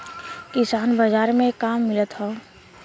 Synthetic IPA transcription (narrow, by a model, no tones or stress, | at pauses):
kɪsaːnbəzaːɾmẽkaːmːɪlət̪ɦoː